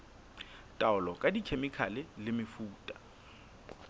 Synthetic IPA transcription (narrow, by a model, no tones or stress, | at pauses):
tʼaʊlɔkʼadikʰemɪkʰalɪlɪmɪfuːtʼḁ